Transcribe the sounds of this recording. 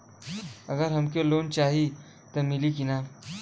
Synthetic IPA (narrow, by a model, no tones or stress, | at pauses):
əɡəɾɦəmkelont͡ɕaɦi | t̪əmilikina